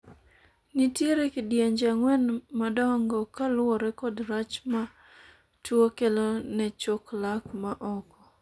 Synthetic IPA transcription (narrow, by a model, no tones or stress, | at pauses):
nitjeɾekidjeɲd͡ʒaŋwɛnmadɔŋɡɔkalwɔɾɛkɔdɾat͡ʃma | twokelonɛt͡ʃoklakmaʔɔkɔ